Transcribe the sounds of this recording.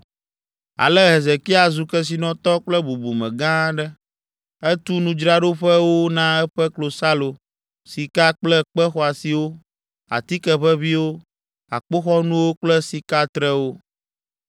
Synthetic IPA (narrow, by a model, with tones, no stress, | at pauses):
a̰˨lɛ˦ɦe˨ze˨ki˦a˨zu˨kɛ˦s̬i˨nɔ̃˦t̪ɔ˦k͡plɛ˦bu˨bu˨mɛ̰̃˨ɡã˦ɖɛ˦ | ɛ˦t̪u˦nũ˦d͡ʒɾa˦ɖo˦ɸɛ˦wo˦nã˦ɛ˦ɸɛ˦klo˨sa˦lo˨ | si˨ka˦k͡plɛ˦k͡pɛ˦xɔ˦a˨si˨wo˦ | a̰˨t̪i˦kɛ˨ɸɛ˦βi˦wo˦ | a̰˨k͡po˦xɔ˦nũ˦wo˦k͡plɛ˦si˨ka˦t̪ɾɛ˦wo˦